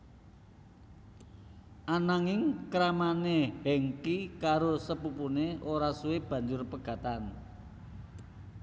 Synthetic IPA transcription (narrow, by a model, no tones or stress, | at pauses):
ʔanaŋɪŋkɾamanehɛŋkikaɾosəpupuneʔoɾasueb̥ä̤ɲd͡ʒʊrpəɡ̥a̤t̪an